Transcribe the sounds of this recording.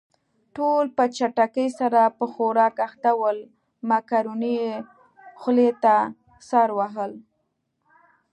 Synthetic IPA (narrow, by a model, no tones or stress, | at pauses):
ʈolpət͡ʃaʈakəjsaɾapəxoɾɑkaxt̪awəl | makaɾoni | xlet̪a | sɑɾwaɦəl